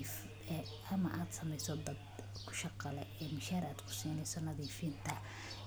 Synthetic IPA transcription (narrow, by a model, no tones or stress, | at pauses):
f | ɛ | ʔɐmɐʔaːd̪sɐmɛjsɔd̪ɐd̪kʰʊ̥ʃɑqɑlɛɛːmɪʃaːɾaːd̪kʰʊ̥siːnɛjsɔnɐðiːfiːnt̪ʰɐ